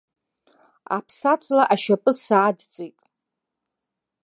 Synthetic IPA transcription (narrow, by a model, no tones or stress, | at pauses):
a̰pʰsat͡sʰlaʔaʃapʼɨsaːdt͡sʼejtʼ